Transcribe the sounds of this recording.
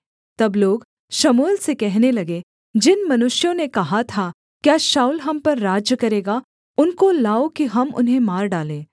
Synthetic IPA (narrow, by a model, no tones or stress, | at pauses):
t̪ɐbloːɡ | ʃɐmuːlsekɛɦnelɐɡe | d͡ʒɪnmɐnʊʃjõnekɐɦat̪ʰa | kjaːʃaːʊlɦɐmpɐɾːaːd͡ʒjəkɐɾeːɡa | ʊnkolaːokiɦɐmʊ̰nɦẽmaːɾɖaːlẽː